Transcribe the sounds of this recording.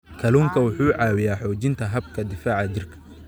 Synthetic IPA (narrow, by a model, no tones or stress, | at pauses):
kʰɐluːŋkʰɐwʊħuːʕɑːwɪjaːħɔːt͡ʃɪnt̪ʰɐɦɐbkʰɐd̪ɪfaːʕɑt͡ʃɪrkʰɐ̥